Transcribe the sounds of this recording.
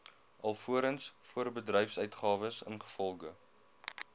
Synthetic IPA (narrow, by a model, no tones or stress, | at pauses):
ʔɐlˠfuəɾənsfuərbədrœjfsœɥtχɑːvəsə̰nχə̥fɔlˠɡə